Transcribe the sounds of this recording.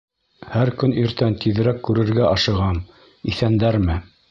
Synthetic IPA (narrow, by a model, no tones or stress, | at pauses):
hæɾkɵniɾt̪ænt̪iðɘ̆ɾækːʉɾɘ̆ɾɡæʔɑʃɤ̆ʁɑm | iθænd̪æɾmɘ